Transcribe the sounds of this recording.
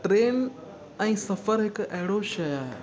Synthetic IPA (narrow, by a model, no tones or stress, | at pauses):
ʈɾeːn | aĩsɐfəɾɦekɛːɽoɕɐjaɦe